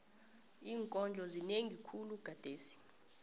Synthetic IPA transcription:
iːŋkʼɔnd͡ɮʱɔzineŋɡʱikʰuluɡ̥ʱad̥ʱeːsi̥

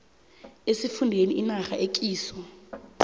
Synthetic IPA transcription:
esifundʱeniʔinaxaʔek̬ʼiːsɔ

